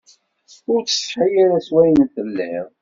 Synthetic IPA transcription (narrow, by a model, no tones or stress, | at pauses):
ʊɾt͡sːə̥sħajaɾæswæjnθəlːɪ̰ð